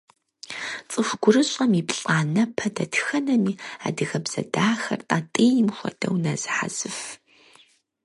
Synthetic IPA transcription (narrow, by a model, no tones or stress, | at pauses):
t͡sʼɨxʷɡʷʊrɨɕʼɐmipɬʼaːnɐpʰɐdɐtʰxɐnɐmiːa̰ːdɨɣɐbz̥ɐ̰daːxɐ̰rtʼaːtʼejɪmxʷɐ̰dɐ̰wnɐzɨħa̰z̥ɨf